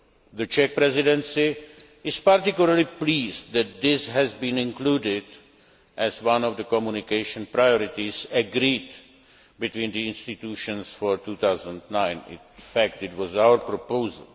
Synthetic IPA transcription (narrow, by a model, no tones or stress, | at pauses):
ðət͡ʃɛk̚pɾɛzɪdɛ̃nsi | ɪz̥paɾtɪkjʊləɾlipliːzd̪æt̪̚d̪ɪsɦɛzbĩnɪ̃nkluːdɪd | ʔɛzwʌ̃nɔvd̪əkɔmjunikeʃə̃npɾajɔɾɪtizəɡɾid | bit̪wĩnd̪iɪ̃nstit̪uːʃə̃nsfɔɹt̪ut̪aʊzə̃ndnãɪ̃nɪ̰̃nfæk̚tɪtwɔzawəɾpɾopoʊzə̰lˠ